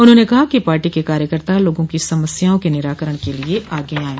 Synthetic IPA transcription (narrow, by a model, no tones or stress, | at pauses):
ʊn̤ɦõːnekɐɦakipaːɾʈikekaːɾjəkəɾt̪aloːɡõkisɐməsjaːõkenɪɾaːkəɾəɽ̃kelieʔʔaːɡeaːẽː